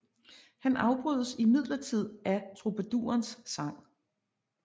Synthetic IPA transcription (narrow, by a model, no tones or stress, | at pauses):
hænʔɑ̈ʊb̥ʁyðˠəsimið̰ˠlɐt͡sʰið̞̰ˠæt͡sʰʁo̝bʰæd̥ṵːɐnsːɑ̈ŋ̰